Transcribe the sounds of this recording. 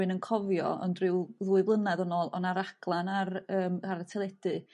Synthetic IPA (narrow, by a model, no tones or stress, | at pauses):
ɨnənkʰɔvjɔ̰ɔ̰ndrɪwðuːɨvlˠənaðɔnoːlˠɔ̰naɾaɡ̥lˠanarəːmaɾatʰɛlˠɛd̥ɨ